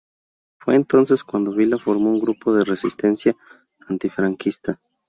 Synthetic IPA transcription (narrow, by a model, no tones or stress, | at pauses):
fwe̞ːnt̪o̞nse̞skwand̪oβilafo̞ɾmo̞uŋɡɾupo̞ðere̞sist̪e̞nsja | ant̪ifɾaŋkist̪a